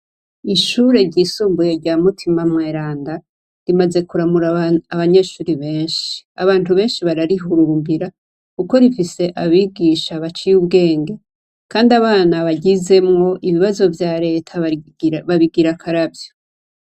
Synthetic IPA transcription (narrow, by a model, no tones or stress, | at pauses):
iʃuːɾe̞ɾɟiːsuːmbuje̞ɾɟaːmutʰimamŋe̞ːɾaːnda | ɾimaze̞kuɾamuɾaːβaɲe̞ːʃuːɾiβe̞ːnʃi̥aβaːntuβe̞ːnʃiβaɾaɾiɦuɾuːmbiɾa | kuko̞ɾifise̞ʔaβiɡiʃaβat͡ʃijuβɡe̞ːŋɡe̞ | kaːndiaβaːnaβaɟize̞mŋo̞ʔiβiβazo̞vjaːɾe̞tʰa | βaβiɡiɾakʰaɾabjo